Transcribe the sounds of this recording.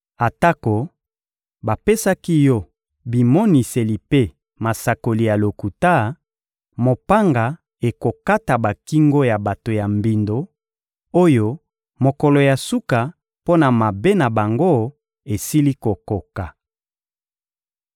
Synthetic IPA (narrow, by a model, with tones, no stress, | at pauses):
a˨ta˦ko˨ | ba˨pe˦sa˦ki˦jɔ˦ | bi˨mɔ˦ni˨se˨li˨pe˦ | ma˨sa˨ko˨li˨ja˨lo˨ku˨ta˦ | mo˨pa˦ŋɡa˨ | e˨ko˨ka˦ta˨ba˨ki˦ŋɡo˦ja˨ba˨to˨ja˨mbi˨ndo˨ | o˦jo˦ | mo˨kɔ˨lɔ˨ja˨su˦ka˨ | po˦na˨ma˨be˦na˨ba˨ŋɡo˦ | e˨si˦li˦ko˨ko˨ka˨